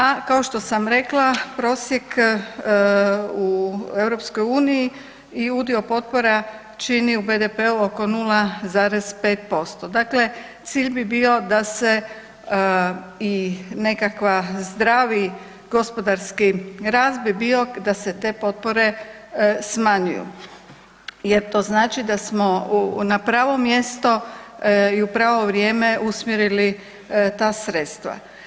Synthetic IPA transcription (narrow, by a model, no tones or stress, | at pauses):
akao̞ʃt̪o̞samɾe̞klˠapɾo̞ːsjek | ue̞wɾo̞psko̞juːniji | iud̪io̞po̞t̪̚po̞ɾa | t͡ʃiniube̞d̪epe̞uo̞ko̞nulˠazaːɾe̞z̥pe̞ːt̪̚po̞st̪od̪akle̞ | t̪siːʎbibio̞d̪ase̞ | ine̞kakʋazd̪ɾaːʋi | ɡ̥o̞spo̞d̪aɾskiɾaːsd̪bibio̞d̪aset̪e̞ːpo̞t̪̚poɾe̞ | smaɲṵjṵ | jeɾt̪o̞ːznaːt͡ʃid̪asmonapɾaːʋo̞mje̞st̪o̞ | iupɾaːʋo̞ʋɾjeːme̞ʔusmjeɾili | t̪aːsɾe̞t̪st̪ʋa̰